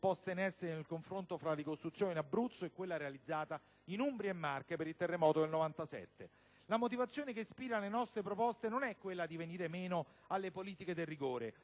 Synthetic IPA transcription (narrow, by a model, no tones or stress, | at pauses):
pɔst̪enɛsːenelkoɱfɾont̪ofɾaɾikost̪ɾut̪sjoːninabɾut̪sːoekːwelːaɾealid̪zːaːt̪a | inumbɾiemːarkepeɾilt̪erːemɔːt̪od̪elnovant̪asɛ̰t̪ːe | lamot̪̬ivat̪sːjoːnekespiːɾalenɔst̪ɾepɾopɔst̪enonɛkːwelːad̪iveniːɾemeːno | alːepoliːt̪iked̪elːiɡoːɾe